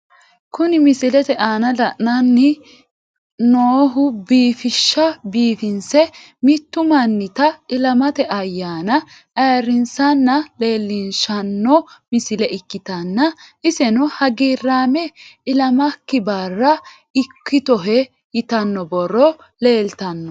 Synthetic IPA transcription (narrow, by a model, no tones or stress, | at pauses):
kʊnɪmɪsɪlɛt̪ɛʔaːnɐlɐʔnɐnːɪ | noːɦʊbiːfɪʃːɐbiːfɪnsɛ | mɪt̪ːʊmɐnːɪt̪ɐɪlɐmɐt̪ɛʔɐjːaːnɐ | ʔɐːɾɪnsɐnːɐle̞ːlːɪnʃɐnːɔmɪsɪlɛʔɪkːɪt̪ɐnːɐʔɪsɛnʊhɐɡiːrːaːmɛɪlɐmɐkːɪbaːrːɐ | ɪkːɪt̪ɔɦɛ | jɪt̪ɐnːɔbɔrːɔ | le̞ːlt̪ɐnːɔ